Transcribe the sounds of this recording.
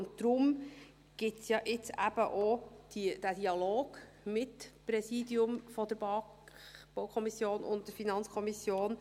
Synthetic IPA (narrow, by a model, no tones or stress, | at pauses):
ʊntt̪ɾʊm | ɡ̥ɪt͡sjɑʔɪt͡sæ̰b̥əʔod̥id̥ædiɑloːɡ̥ | mɪtpɾɛsidjʊmfɔd̪əɾbɑ | b̥ɔwkʰɔmisjoːnʔʊ̰nt̚d̥əɾfinɑnt͡skʰɔmisjoːn